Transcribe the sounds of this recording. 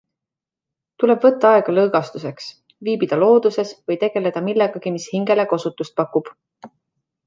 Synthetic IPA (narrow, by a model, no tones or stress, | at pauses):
t̪ule̞b̥vɤ̞t̪ːɑɑe̞ɡ̥ɑlɤːɡ̥ɑst̪use̞ks | viːbid̪̥ɑlo̞ːd̪̥use̞svɤjt̪e̞ɡ̥e̞le̞d̪̥ɑmilːeɡ̥ɑɡ̥imishiŋɡ̥e̞le̞kosut̪ːust̪̚pɑkːub̥